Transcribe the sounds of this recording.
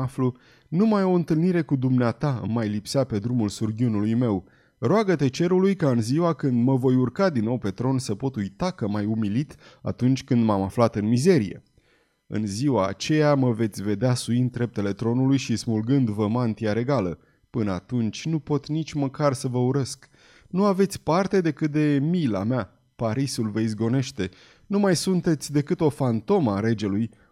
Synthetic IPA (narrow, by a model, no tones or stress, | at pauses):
aflu | numajo̞ɨnt̪ɨlniɾe̞kud̪umneat̪aɨ̰mːajlipsape̞d̪ɾumulsurɡʲiunulujme̞w | roaɡət̪e̞t͡ʃe̞ɾulujkaɨnziwakɨnd̪məvo̞jurkad̪inːo̞wpe̞t̪ɾo̞nsəpo̞t̪ujt̪akəmajumilit̪a̰t̪unt͡ʃʲkɨnd̪mamaflat̪ɨnmize̞ɾije̞̰ | ɨ̰nziwa̰ːt͡ʃe̞jaməve̞t̪sʲve̞d̪easuind̪̚ɾe̞p̚t̪e̞le̞t̪ɾo̞nulujʃismulɡɨnd̪vəmant̪iaɾe̞ɡalə | pɨnəat̪unt͡ʃʲnupo̞t̪nit͡ʃʲməkarsəvəuɾesk | nuave̞t̪sʲpart̪e̞d̪e̞kɨt̪̚d̪e̞mila̰mea | paɾisulveizɡo̞ne̞ʃt̪e̞ | numajsunt̪e̞t̪sʲd̪e̞kɨt̪o̞fant̪o̞maɾe̞d͡ʒe̞luj